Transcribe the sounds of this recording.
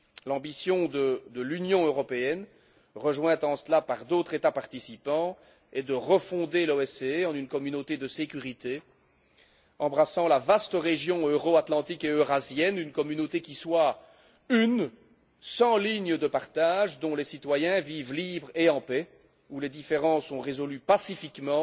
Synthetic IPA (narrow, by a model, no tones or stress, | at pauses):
lɑ̃bisjɔ̃d̪əd̪əlynjɔ̃øʁɔpeɛn | ʁəʒwɛ̃t̪ɑ̃slapaʁd̪ot̪χet̪apaʁt̪isipɑ̃ | ɛd̪əʁəfɔ̃d̪eloɛseɑ̃nynkɔmynot̪ed̪əsekʲyʁit̪e | ɑ̃bʁasɑ̃lavast̪əʁeʒjɔ̃øʁoat̪lɑ̃t̪ikeøʁazjɛnynkɔmynot̪ekʲiswa | yn | sɑ̃liɲəd̪əpaʁt̪aʒd̪ɔ̃lesit̪wajɛ̃viːvlibʁeɑ̃pɛ | uled̪ifeʁɑ̃sɔ̃ʁezɔlypasifikmɑ̃